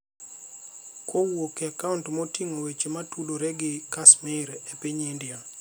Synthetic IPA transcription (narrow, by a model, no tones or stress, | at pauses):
kʰowokeakauntmotiŋowet͡ʃematudoɾɛɡɪkasmɪɾepeɲendɪa